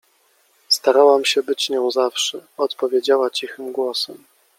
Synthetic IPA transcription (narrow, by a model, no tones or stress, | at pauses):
st̪aɾawamɕɛbɘt͡ɕɲɔ̃w̃zafʂɛɔt̪pɔvʲjed͡ʑawat͡ɕixɘmɡwɔsɛm